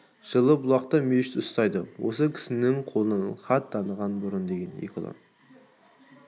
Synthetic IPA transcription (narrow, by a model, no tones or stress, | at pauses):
ʒ̥əlˠəbʊlˠɑqt̪əmeʃɪt̪ʊst̪ɑjd̪əwo̰səkʲʰɪ̥sɪnɪŋqʰolˠənχɑt̪̚d̪ɑnəʁɑnbʊɾʊnd̪e̞ɡʲe̞nḛkʲʰɪ̰lˠo̰n